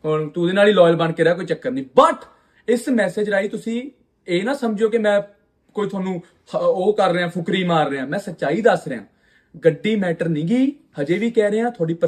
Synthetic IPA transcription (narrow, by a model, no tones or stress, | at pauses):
ɦoːɾt̪uːd̪eːnaːliːlɔːjɪlbəɳɖkeːɾaːkoːiːt͡ʃəkːəɾnĩːbəʈʰ | ɪsmɛːseːd͡ʒɾaːiːt̪ʊsĩː | eːnãːsəmd͡ʒoːkemɛ̃ː | koːiːt̪ʰʊaːnũː | oːkəɾːeãːpʰʊkɾiːmaːɾːeːãːmɛ̃ːsətːʃaːiːd̪əsɾeã̰ː | ɡəɖːiːmɛːʈəɾnĩːɡiː | həd͡ʒeːʋiːkɛːɾeːãːt̪ʰʊaːɽiːp